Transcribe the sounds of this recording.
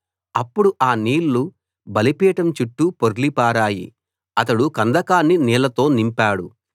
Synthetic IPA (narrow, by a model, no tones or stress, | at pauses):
ɐpːuɽuʔaːniːlːu | bɐlipiːʈɐmt͡ʃuʈːupoɾlipaːɾaːjḭ | ɐt̪ɐɽukɐnd̪ɐkaːnːiniːlɐt̪o̞ːnimpaːɽu